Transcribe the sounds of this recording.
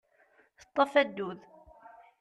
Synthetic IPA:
θə̥t̪ˤːəfæd̪ːuð

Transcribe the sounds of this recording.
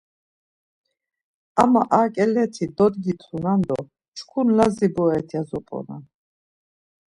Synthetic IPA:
a̰maʔakʼɛlɛt̪ʰid̪ɔd̪ɡit̪ʰχunand̪ɔ | t͡ʃʰkʰunlazibɔɛt̪ʰiazɔpʼɔ̰na̰

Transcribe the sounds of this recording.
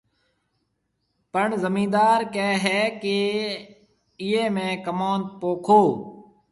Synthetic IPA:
pəɳzəmĩːd̪aːɾkɛːɦɛːkeː | ɪẽːmẽːkəmaːnd̪̚poːkʰoː

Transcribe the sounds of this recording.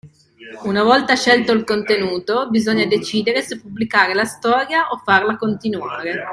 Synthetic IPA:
unavɔlt̪aʃɛlt̪oilkont̪enuːt̪obizoɲːad̪et͡ʃiːd̪eɾesepːubːlikaːɾelast̪ɔːɾjaʔofːarlakont̪inuaːɾe

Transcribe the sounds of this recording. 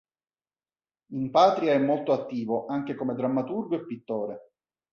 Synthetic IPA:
impaːt̪ɾiaɛmːolt̪oat̪ːiːvoʔaŋk̟ekomed̪ɾamːat̪urɡoepːit̪ːoːɾe

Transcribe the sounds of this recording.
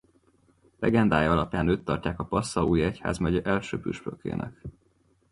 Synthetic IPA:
lɛɡɛnd̪aːjɒɒlɒpjaːnøːt̪ːɒrcaːkɒpɒsːɒuːjɛcha̰ːzmɛɟʔɛlʃøːpyʃpø̰kḛːnʔɛ̰k

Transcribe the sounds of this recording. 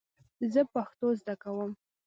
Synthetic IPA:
zəpaxt̪ozd̪akawəm

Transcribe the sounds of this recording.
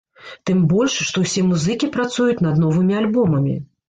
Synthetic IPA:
t̪ɨmbɔlʲʂʂt̪ɔwsʲɛmuzɨkʲipɾat̪sujut͡sʲnɐd̪nɔvɨmʲialʲbɔmɐmʲḭ

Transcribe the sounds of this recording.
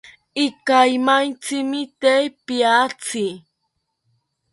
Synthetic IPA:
ɪkajmant͡sɪmɪt̪ejpiat͡sɪ

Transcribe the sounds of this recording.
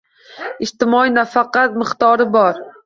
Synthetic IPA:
ɪʃt̪ɪmɒinafaqɑt̪mɪqt̪ɒɾɪbɒɾ

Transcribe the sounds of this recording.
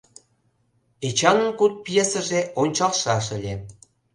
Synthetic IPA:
et͡ɕɑnə̆nkut̪̚pjesəʒeonʲt͡ɕɑlʃɑʃə̆lʲe

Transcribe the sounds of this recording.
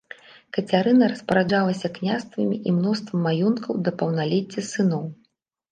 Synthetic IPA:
kɐt͡sʲaɾɨnɐɾɐspɐɾad͡ʐalˠɐsʲɐknʲast̪vɐmʲiʔimnɔst̪vɐmːajɔnt̪kʰɐwd̪ɐpɐwnalʲɛt͡sʲːɐsɨn̪ɔw

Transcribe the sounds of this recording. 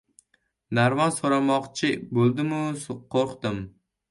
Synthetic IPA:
naɾvansoɾamɒqt͡ʃʰɪbolˠd̪ɪmʊsqʰoɾqt̪ɪm

